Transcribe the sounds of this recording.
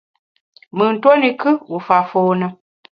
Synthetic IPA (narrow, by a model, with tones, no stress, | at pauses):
mɨ˨n̩˨two˦ni˨kɨ˦u˨fa˨foː˨nə˨